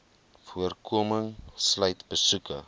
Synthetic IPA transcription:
fuərkʰuəməŋslœɥtbəsukə̰

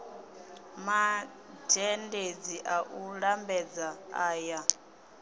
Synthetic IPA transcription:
ma | d͡ʒɛnded͡ziʔaʔuɺambɛd͡zaaːja

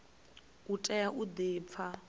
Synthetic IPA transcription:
utʼɛjaʔud̪eːp̪fʰa

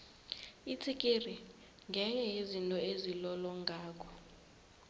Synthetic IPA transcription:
it͡sʰikʼiri | ŋɡʱɛɲɛjezintʼɔezilɔlɔŋɡʱaːkʰɔ̥

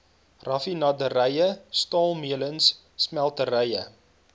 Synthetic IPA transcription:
rɐfinɐdəɾəjəstɑːlˠmiələnsː | mælˠtəɾəjə̰

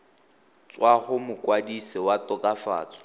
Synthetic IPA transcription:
t͡swaχʊmʊkʼwadisɪwatʼɔkʼafa̰ːt͡sʼɔ̥

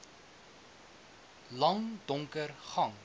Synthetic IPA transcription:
lɐŋdɔŋkərχɐŋ

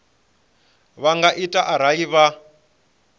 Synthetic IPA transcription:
βaŋɡaʔitʼaʔaɾ̤ajiβa

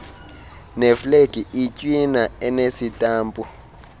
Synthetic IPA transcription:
nɛfleɡ̥ʱiʔit͡ʃʼwinaɛnesitʼaːmpʼu

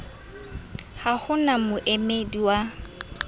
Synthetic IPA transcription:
hahʊnamʊʔemediwa

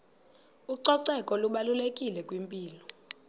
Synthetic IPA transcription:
uǀɔǀɛkʼɔluɓalulekʼilɛkʼwimpʼiːlɔ

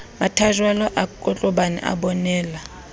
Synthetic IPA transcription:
matʰaʒwalɔʔakʼɔt͡ɬʼɔɓanɛ̰ʔa̰ɓɔnɛːla

